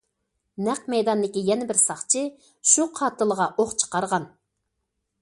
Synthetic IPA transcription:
næq̚mɛjd̪ɑnd̪ɪkʲijɛnɪbɪɾsɑχt͡ʃʰɨ | ʃuqʰɑːt̪ɨlˠəʁɑʔoχt͡ʃʰə̥qɑɾʁɑn

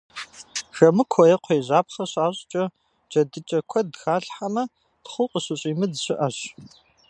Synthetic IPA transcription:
ʒɐmɨkʷʰɔjɛqʷʰeːʑaːpχɐɕaːɕʼt͡ʃʼɐ | d͡ʒʼɐdɨt͡ʃʼɐkʷʰɔdxaːɬħamɐ | d̥χʷʊqʼəɕɪɕʼiːmɨdɕɪʔɐɕ

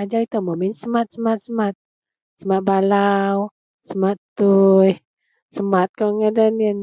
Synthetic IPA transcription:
ad͡ʒait̪əməminsəmat̪̚səmat̪̚səmat̪̚ | səmat̪̚balaw | səmat̪t̪uj | səmat̪̚kaŋədənin

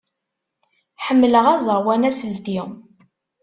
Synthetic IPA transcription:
ħəmːələʁæzˤəɾwænæsəlt̪iʁ

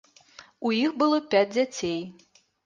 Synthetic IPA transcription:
ujixbɨlˠɔpʲad͡zʲd͡zʲat͡sʲej

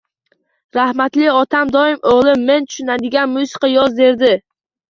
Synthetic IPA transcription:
ɾahmat̪lɪɒt̪ʰamd̪ɒɪmoʁlˠɪmːe̞nt̪ʰʊ̥ʃʊnad̪ɪɡʲanmʊsɪ̥qɑjɒzd̪e̞ɾd̪ɪ

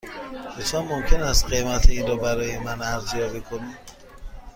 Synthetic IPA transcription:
kʰet̪ʰɒmːomcʰenæst̪ɢemæt̪ʰeiːnɾɒːbæɾɒːjemænæɾzjɒːbikʰonid

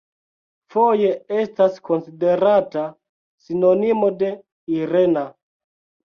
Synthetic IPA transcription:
fo̞je̞e̞stasko̞nside̞ɾata | sino̞nimo̞de̞ | iɾe̞na

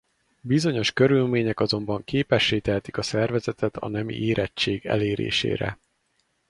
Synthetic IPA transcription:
bizo̞ɲo̞ʃkø̞ɾylmeːɲɛkɒzo̞mbɒŋkeːpɛʃːeːt̪ɛɦɛt̪i̥kɒsɛrvɛzɛt̪ɛt̪ʰɒ̰nɛmḭʔeːɾɛt͡ʃːeːɡɛ̰leːɾḛːʃḛːɾɛ̰

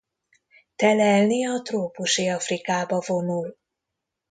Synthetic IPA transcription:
t̪ɛlɛlniɒt̪roːpuʃiɒfrikaːbɒvo̞nul

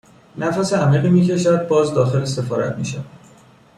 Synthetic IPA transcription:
næfæseæmliːɣiːmiːcʰe̞ʃæd̪̚bɒːzd̪ɒːxe̞lse̞fɒːɾæ̰t̪ʰmḭːʃæ̰̥

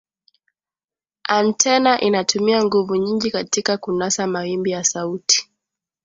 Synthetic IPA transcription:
antʰɛnaʔinatumiaŋɡuvuɲiŋɡikatikakunasamawimbijasauti̥

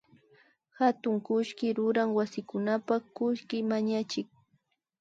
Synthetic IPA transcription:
hat̪ʊŋkʊʃkɪɾʊɾaŋwasɪkʊnapakʊʃkɪmaɲat͡ʃɪk̚

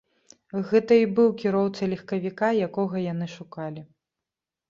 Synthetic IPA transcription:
ɣɛt̪ɐibɨwkʲiɾɔwt̪sɐlʲixkɐvʲikajakɔɣɐjanɨʂukalʲi

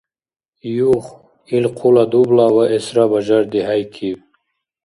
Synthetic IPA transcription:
juχ | ilqʰulad̪ublawaʔesɾabaʒaɾd̪iɦajkʰiw

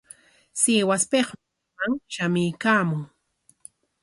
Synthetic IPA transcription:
seːwaspeχ | maŋʃamɪjkaːmʊŋ

